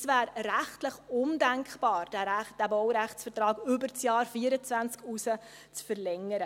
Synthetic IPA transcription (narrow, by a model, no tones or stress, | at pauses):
svæːɾræχtləχʊndæŋkb̥ɑːɾd̥d̥æbɔwɾæχtsfətɾɑːɡʏbəɾt͡sjɑːɾfiːəɾət͡sʋvænt͡skusə | t͡sfəɾlɛŋəɾə